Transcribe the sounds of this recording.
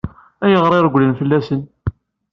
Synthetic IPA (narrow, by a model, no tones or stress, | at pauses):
æjəʁɾˤeɾɡʷlənfəlːæsən